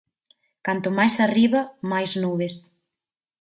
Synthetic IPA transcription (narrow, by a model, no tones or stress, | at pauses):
kant̪ʊmajsariβɐmajznuβes